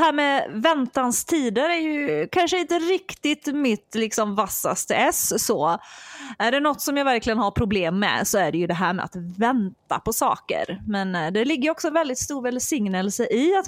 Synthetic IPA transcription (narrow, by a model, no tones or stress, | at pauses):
ɦæːɾmɛvɛnt̪anst̪ʰiːd̪əɾæɾjɵkʰanʂəɪnt̪əɾɪkt̪ɪt̪mɪt̪lɪksɔmvasːa̰st̪əɛsːɔ | æɖɛnɔt̪ːsɔmjɑvæɾklɪɡənɦaɾpʰɾʊbleːmːɛ̰sɔæɖɛjɵd̪ɛɦæ̰ːɾmɛ̰a̰t̪vɛnt̪a̰pʰɔsɑ̰ːkə̰ɾmɛnd̪ɛlɪɡːəjɔksɔɛnvɛld̪ɪt̪st̪uːɾvɛlsɪŋnəlsəʔɪat̪